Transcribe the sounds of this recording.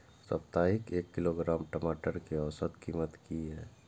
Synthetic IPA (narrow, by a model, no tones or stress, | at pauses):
sɐ̰p̚t̪aːɦɪkeːkːɪloɡɾaːmʈəmaːʈəɾkeɔːsət̪kiːmət̪kiɦɛː